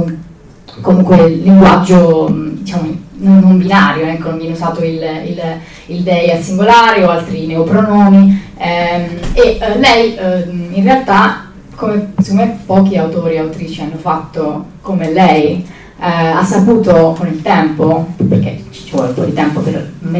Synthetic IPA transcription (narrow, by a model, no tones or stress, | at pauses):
komuŋkwelːiŋɡwad͡ʒːod̪it͡ʃaːmononnombinaːɾjoɛkːonomiɛnːosaːt̪oilḭl | ild̪ɛjasiŋɡolaːɾeoalt̪ɾineopɾonɔːniɛmelɛjinrealt̪a | komesi̥kːomːempːɔːk̟iawt̪oːɾiawt̪ɾiːt͡ʃianːofat̪ːokomelɛj | a̰sːapuːt̪okonilt̪ɛmpoperk̟ḛt͡ʃt͡ʃːivɔ̰leumpɔ̰d̪it̪ɛmpoperm